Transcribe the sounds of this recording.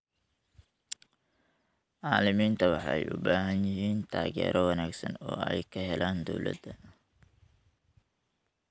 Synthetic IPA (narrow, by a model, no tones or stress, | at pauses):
ʕɑːlɪmiːnt̪ʰɐwɑħɛ̰jʔʊ̰baːɦɐnjɪɦiːnt̪ʰaːɣɛ̰ːɾʔɔwɑnaːɡsɐnɔ̰ːɛjkʰɐɦɛlʔaːnd̪ɔwlʔɐ̰d̪ɐ